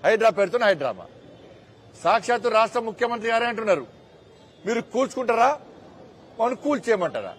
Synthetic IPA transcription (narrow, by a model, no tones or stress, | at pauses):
hɐjɖɾaːpeɾt̪unːɐɦɐjɖɾa̰ːma̰ | saːkʂaːt̪̬uɾaːʂʈɾɐmukʰjɐmɐnt̪̬ɾiɡaːɾeːɐɳʈunːaːɾu | miːɾukuːlt͡ʃu̥kuɳʈaːɾaː | mɐnːukuːlt͡ʃɛːjɐmɐɳʈaːɾa̰ː